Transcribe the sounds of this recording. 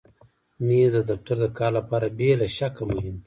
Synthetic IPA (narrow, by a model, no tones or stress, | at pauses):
mizd̪əd̪aft̪aɾd̪əkɑːɾlapɑːɾabelaʃakamoɦɪmd̪